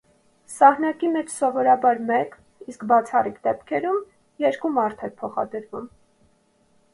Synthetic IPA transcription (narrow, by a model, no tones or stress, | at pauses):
sɑhnɑkimɛt͡ʃʰsɔvɔɾɑbɑɾmɛk | iskbɑt͡sʰɑrikd̪ɛpkʰɛɾum | jɛɾkumɑɾt̪ʰɛɾpʰɔχɑ̰d̪əɾvum